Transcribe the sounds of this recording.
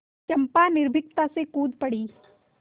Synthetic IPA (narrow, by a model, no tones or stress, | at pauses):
t͡ʃɐmpanɪɾbʱɪk̚t̪asekuːd̪pɐɽiː